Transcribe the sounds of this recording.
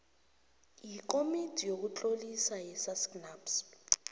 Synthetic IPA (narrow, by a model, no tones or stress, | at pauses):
jik̬omidʱʼijok̬ut͡ɬʼolisajɛsasknaːps